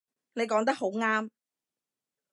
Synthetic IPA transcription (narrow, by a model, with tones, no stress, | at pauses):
ne˨˧jkɔː˨˥ŋt̪̬ɐ˥k̚ho˨˥wŋaː˥m